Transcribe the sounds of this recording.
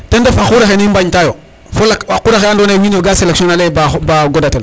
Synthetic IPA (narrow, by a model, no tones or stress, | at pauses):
tendafaxuɾaxenimbaɲtajo | folakakuɾaxejandonawinoɡaselksionalebabaɡodatel